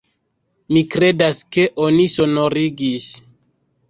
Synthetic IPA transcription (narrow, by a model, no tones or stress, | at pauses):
mikɾe̞daske̞ʔo̞niso̞noɾiɡis